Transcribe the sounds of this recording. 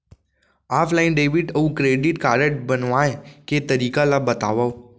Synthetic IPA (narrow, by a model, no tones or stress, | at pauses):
afʰlainɖeʋiʈəũkɾeɖiʈkaɾəʈbənʋãeket̪əɾikalabət̪a̰ʋaw